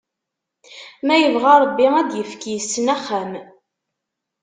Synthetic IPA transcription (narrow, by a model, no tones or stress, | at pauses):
mæjəvʁaɾˤəbːiæd̪jəfkijsːənæχːæm